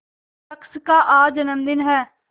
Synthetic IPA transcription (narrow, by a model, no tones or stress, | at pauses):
əkskaːʔaːd͡ʒənəmd̪ɪnɦɛː